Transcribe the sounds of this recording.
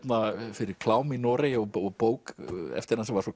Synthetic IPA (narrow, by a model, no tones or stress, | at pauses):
nafɪɾɪɾ̥kʰlaːwmɪnɔːɾejɔɔɣpoːwkɛ̰ft̪ɪɾɾansɛmvaɾsɔ